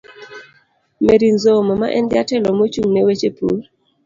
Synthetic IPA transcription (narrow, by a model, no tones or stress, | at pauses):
meɾinzomɔma̰ʔɛndɪatɛlɔmot͡ʃuŋnewet͡ʃepṵl